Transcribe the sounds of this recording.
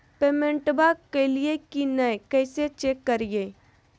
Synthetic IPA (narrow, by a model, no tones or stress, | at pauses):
peːmẽɳʈbakeliekinəjkɛːset͡ʃeːkːəɾije